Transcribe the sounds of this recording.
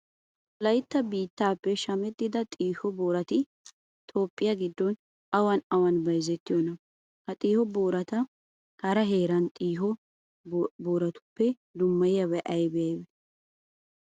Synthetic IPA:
lɐjt̪ːɐbiːt̪ːaːpːɛʃɐmɛt̪ːɪd̪ɐt̪ʼiːhɔboːɾɐt̪ɪ | t̪ʰʼo̞ːpʼːɪjɐɡɪd̪ːɔn | ɐwɐnɐwɐnbɐjzɛt̪ːɪjɔnɐ | hɐt̪ʼiːhɔboːɾɐt̪ɐ | kɐɾɐɦe̞ːɾɐnt̪ʼiːɦɔ | boːɾɐt̪ʊ̥pːɛ | d̪ʊmːɐjɐβɛʔɐjbɛjɐjbɛ

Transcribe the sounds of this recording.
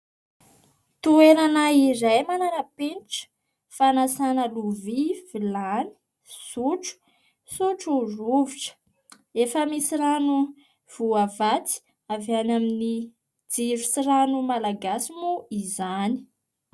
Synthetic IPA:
t̪ueɾanaiɾajmananapenʈ͡ʂə̥ | fanasanəluvivilani̥ | suʈ͡ʂu̥ | suʈ͡ʂuruviʈ͡ʂə̥ | efəmisiranu | v̥uavat͡s̪i̥ | avanamini | d͡ziɾusiranumalaɡasimuizani̥

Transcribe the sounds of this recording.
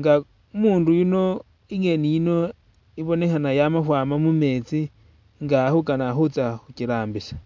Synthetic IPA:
ŋɡa | umuːndujuno̞ | iŋe̞nijino̞ | iβo̞ne̞xanajamafwaːmamume̞t͡si | ŋɡahukanaxut͡saxuciɾaːmbisḁ

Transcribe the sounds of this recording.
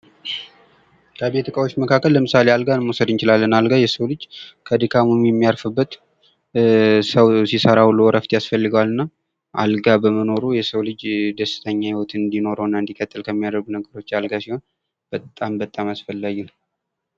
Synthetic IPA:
kʰəbe̞t̪ʰɨkʼəwot͡ʃːməkʰakːəlːəmɨsalealɡanmosəd̪ɨnt͡ʃɪlalːənalɡajɛsəwlɨd͡ʒkʰəd̪ikʰamomijɛmːijaɾfɨbːət̪ | səwsisəɾawulːuwɔɾəft̪ʰjasfəlːɨɡəwalɨnːa | ʔa̰lɡabəməno̞ɾujɛsəwlɨd͡ʒd̪əsːɨ̥t̪ʰəɲːahiwɔt̪ʰɨnd̪ino̞ɾəwnːaɨnd̪ikʼət̪ʼːɨlkʰəmːijad̪əɾɡunəɡəɾo̞t͡ʃːalɡasiho̞n | b̥ət̪ʼːambət̪ʼamasfəlːaɡun

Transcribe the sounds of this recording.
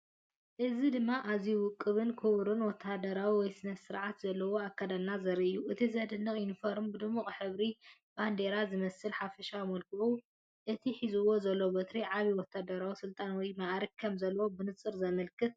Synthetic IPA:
ʔɨzid̪ɨmːaʔazijuwʊkʼːɨβɨnkʰuβɾunwɔt̪ʰːad̪ɐɾawiwɔjsɨnɐsɨɾʕat̪zɐlːɐwo̞akʰːɐd̪alnazɐɾiʔɨjːuʔɨt̪ʰizɐd̪ɨnːɨχʼinfoɾmbɨd̪ɨmːuχʼħɨβɾib̥and̪eɾazɨmɐsɨlħafɐʃamɐlkʰɨʔu | ʔɨt̪ʰiħizuwo̞zɐlːobɐt̪ɾiʕaβiwɔt̪ʰːad̪ɐɾawisɨlt̪ʼanwɔjmaʔɾikkʰɐmzɐlːɐwobɨnɨt͡sʼɨɾzɐmɐlkʰɨt̪̚

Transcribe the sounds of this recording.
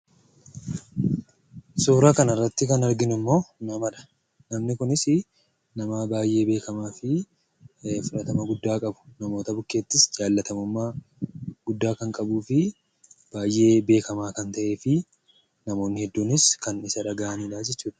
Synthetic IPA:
suːɾaːkɐnɐrːɐt̪ːɪkɐnɐɾɡɪnɪmːo̞ːnɐmɐᶑɐ̥ | nɐmnɪkʊnɪsɪ | nɐmaːbaːjʔe̞ːbe̞ːkɐmaːfɪ | fʊᶑɐt̪ɐmɐɡʊd̪ːaːkʼɐbʊ̥nɐmo̞ːt̪ɐbʊkːeːt̪ːɪsd͡ʒaːlːɐt̪ɐmʊmːaː | ɡ̥ʊd̪ːaːkɐŋkʼɐbuːfɪ | b̥aːjʔe̞ːbe̞ːkɐmaːkɐnt̪ɐʔe̞ːfɪ | nɐmo̞ːnːɪhɛd̪ːuːnɪskɐnɪsɐᶑɐɡaːʔɐniːᶑaːsɪt͡ʃːuːᶑɐ̥

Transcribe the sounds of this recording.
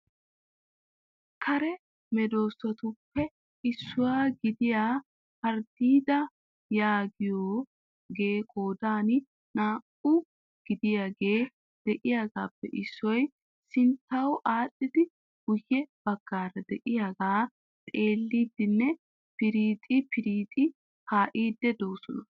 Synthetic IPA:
kʰɐɾɛ | mɛd̪o̞ːsɔt̪ʊpːɛ | ʔɪsːʊwaːɡɪd̪ɪjaː | pɐɾd̪iːd̪ɐ | jaːɡɪjoː | ɡeːkʼo̞ːd̪aːnɪ | naːkʼːʊ | ɡ̥ɪd̪ɪjaːɡeː | d̪̥ɛʔɪjaːɡaːpːɛʔɪsːɔj | sɪnt̪ːɐwʔaːɗːɪd̪ɪ | hʊjːɛb̥ɐɡ̥ːaːɾɐd̪ɛʔɪjaːɡaː | t̪ʼe̞ːlːiːd̪ːɪnːɛ | pɪɾiːt̪ʼɪpʰɪɾiːt̪ʼɪ | haːʔiːd̪ːɛd̪o̞ːsɔnɐ

